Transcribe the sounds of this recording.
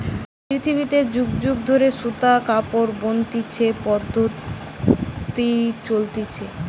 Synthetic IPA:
pɾit̪ʰibit̪ed͡ʑuɡd͡ʑuɡ̚d̪ʱoɾeʃut̪akapoɾbont̪it͡ɕʰepɔd̪ʱːot | t̪it͡ɕolt̪it͡ɕʰe

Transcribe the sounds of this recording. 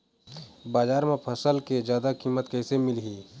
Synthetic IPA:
baːzaːɾmẽpʰɐsəlked͡ʒjaːd̪akiːmət̪kɛːsemɪlɦiː

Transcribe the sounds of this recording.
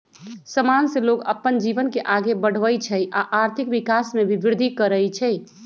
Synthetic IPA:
səmanseloɡə̰pːənd͡ʒiʋənkeʔaɡebəɽ̤ʋəjt͡ʃʰɛjʔaʔaɾt̪ʰɪkʋɪkasmẽʋɪbɾd̪ʱikəɾəjt͡ʃʰɛ

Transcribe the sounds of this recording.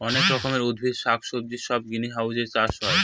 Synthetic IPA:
ɔnekɾɔkʰomeɾud̪ʱbʱid̪ʃakʰʃob̚d͡ʑiʃɔb̚ɡiniɦawd͡ʑeɾt͡ɕaɾʃɔe

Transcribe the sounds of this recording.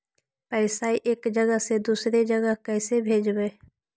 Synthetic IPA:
pɛːɪsaːiʔeːkd͡ʒəɡəɦsed̪uːsɾed͡ʒəɡəkɛːsebʱeːd͡ʒweː

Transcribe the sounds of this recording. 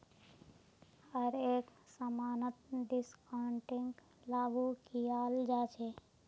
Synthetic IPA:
əɾeːksəmaːnət̪̚ɖɪskaɳʈɪ̃ŋɡ | laːɡukijaːld͡ʒaːt͡ʃʰeː

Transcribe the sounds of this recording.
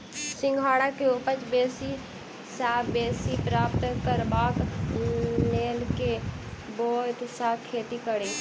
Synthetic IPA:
sɪ̃ŋɡʱaːɽakeupət͡ʃbeːsi | saːbesipɾaːp̚t̪kəɾbaːk | leːlkebot̪sakʰet̪ikəɽi

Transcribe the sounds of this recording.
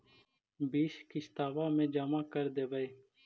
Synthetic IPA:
biːʃkist̪aːʋaːmẽːd͡ʒaːmaːkəɾd̪eːʋəeː

